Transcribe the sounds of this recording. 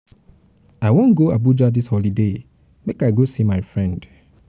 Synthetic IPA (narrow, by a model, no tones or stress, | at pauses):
aɪwõnɡoabud͡ʒadishɔlide | mekaɪɡosimaɪfɹɛ̃nd̥